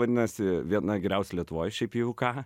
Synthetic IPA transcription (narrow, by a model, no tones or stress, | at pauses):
ɐd̪ʲɪnɐsʲɪʋʲiɛnɐɡʲɛɾʲɛʊslʲiɛt̪ʊʋoːjʃʲɛɪpjɛʊkɑː